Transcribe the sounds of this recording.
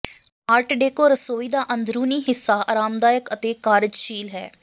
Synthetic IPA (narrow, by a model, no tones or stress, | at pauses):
aːʈʰɖeːkoːɾəsoːiːd̪aːʔə̃nd̪ɾuːniːɦɪsːaːaːɾaːmd̪aːjəkət̪eːkaːɾɪd͡ʒʃiːlɦɛ̰ː